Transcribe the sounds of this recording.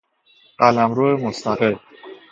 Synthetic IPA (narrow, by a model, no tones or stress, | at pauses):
ɢ̥ælæmɾoːemost̪ʰæɣel